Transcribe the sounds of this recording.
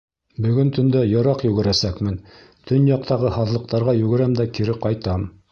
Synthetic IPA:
bɵ̆ɡɵnt̪ɵ̆nd̪æjɤ̆ɾɑqjɵ̆ɡɘ̆ɾæsækmɘn | t̪ʰɵnjɑq̚t̪ɑʁɤhɑðlˠɤ̆q̚t̪ɑɾʁɑjɵ̆ɡɘ̆ɾæmd̪ækiɾɘqɑjt̪ɑm

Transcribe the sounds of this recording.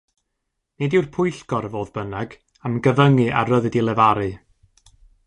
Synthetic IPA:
nedɪwrpʰʊjɬɡɔɾvoːðbənaɡ̥ | amɡəvəŋɨʔa̰rəðɨdilˠɛvaɾɨ

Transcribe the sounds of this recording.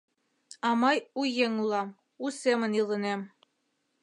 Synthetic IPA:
ɑmɑjujeŋulˠɑm | usemɤ̆nilˠɤ̆nem

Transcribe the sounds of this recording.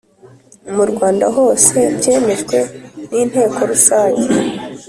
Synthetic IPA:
muɾɡwaːndaɦo̞ːse̞bɟeːme̞ʃkwe̞niːn̥he̞ːko̞ɾusaːɲe

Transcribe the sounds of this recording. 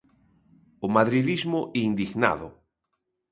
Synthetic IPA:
ʊmaðɾiðizmʊʔind̪iɣna̰ðʊ̰

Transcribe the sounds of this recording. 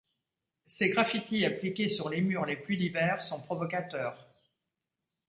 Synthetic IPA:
seɡʁafit̪ʰiaplikʲesyʁlemyʁleplyd̪ivɛʁsɔ̃pχɔvɔkat̪œːʁ

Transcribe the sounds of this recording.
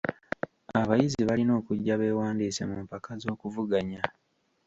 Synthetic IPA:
aβajiziβalino̞ːkuɟːaβe̞ːwaːndiːse̞̰mumpakazo̞ːkuvuɡaɲa

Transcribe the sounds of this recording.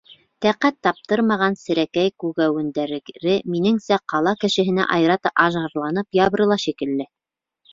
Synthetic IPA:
t̪æqæt̪ːɑp̚t̪ɤɾmɑʁɑnsɘ̆ɾækæjkʉɣæwɘ̆nd̪æɾɾɘminɘŋsæqɑlˠɑkɘ̆ʃɘ̆ɦɘ̆næ̰ʔɑjɾɑt̪ɑʔɑʒɑɾlˠɑnɤpjɑβɾɤ̆lˠɑʃikɘ̆lːɘ

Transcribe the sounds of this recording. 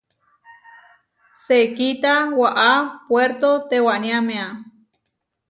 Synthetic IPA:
sekit̪awaʔapweɾt̪ot̪ewanjamea

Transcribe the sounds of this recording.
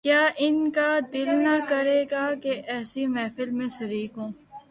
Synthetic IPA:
kjaːʔɪnkad̪ɪlnakɐɾeːɡakeʔɛːsimɛːfɪlmẽʃɐɾiːkɦõː

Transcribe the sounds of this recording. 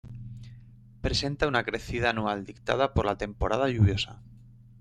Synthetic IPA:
pɾese̞nt̪aunakɾe̞θið̞aːnuald̪ik̚t̪a̰ðapoɾlat̪e̞mpoɾað̞aʎuβ̞jo̞sa̰

